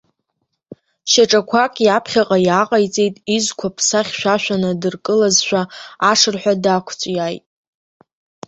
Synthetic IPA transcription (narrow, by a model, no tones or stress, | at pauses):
ʃaʈ͡ʂʼakʷʰakʼjapʰχʲaqʼajaqʼajt͡sʼe̞jtʼizkʷʰapʰsaχʲʃᶣʷaʃᶣanɨdɨrkʼɨlazʃᶣaaʂɨrħʷᶣadakʷʰt͡sʷʼjajtʼ